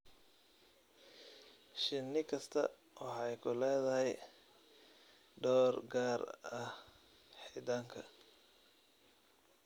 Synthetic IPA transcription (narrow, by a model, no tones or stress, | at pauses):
ʃɪnːɪkʰɐst̪ʰɐ̰ | wʔɑħɑjkʰʊlɛːðɐɦɛj | ɖɔːrɡaːrɐh | ħit̪aːŋkʰɐ